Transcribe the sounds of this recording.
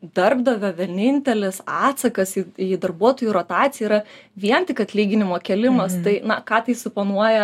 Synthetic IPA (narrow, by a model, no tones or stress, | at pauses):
d̪ɐrbd̪ɐʋʲoʋʲɛnʲɪnʲt̪ʲɛlʲɛsɑːt̪sɐkɐsɪid̪ɐrbuɔt̪oːjuɾoːt̪ɑːtt͡ssʲɪjɛiɾɐʋʲiɛnt̪ʲɪkɐt̪ʲlʲiːɡʲɪnʲɪmoːkʲɛlʲɪmɐst̪ɐɪnɐkɑːt̪ɐɪsʊpɐnuɔjɛ